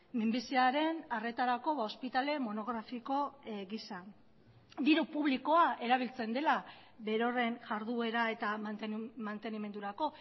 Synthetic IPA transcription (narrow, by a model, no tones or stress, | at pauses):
mimbisiaɾe̞nare̞t̪aɾako̞βao̞spit̪ale̞mo̞no̞ɣɾafiko̞ɣisa | d̪iɾupuβliko̞aʔe̞ɾaβ̞ilt͡se̞nd̪e̞la | βe̞ɾo̞re̞nʝaɾðue̞ɾae̞t̪amant̪e̞nime̞nd̪uɾako̞